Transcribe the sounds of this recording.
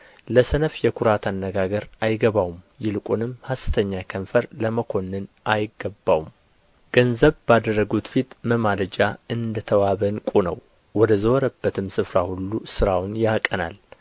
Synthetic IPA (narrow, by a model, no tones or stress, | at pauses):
ləsənəfjɛkʰuɾat̪ʰanːəɡaɡəɾajɡəβawum | jɪlkʼunɨmhasɨ̥t̪ʰəɲːakʰənfəɾləməkʰo̞nːɨnʔajɪɡːəbːawum | ɡ̥ənzəβbad̪ərːəɡut̪fit̪məmaləd͡ʒaɨnd̪ət̪ʰəwaβənkʼunə̰w | wɔd̪əzəwɔɾəbːət̪ʰɨmsɨfɾahulːusɨɾawnjakʼːəna̰l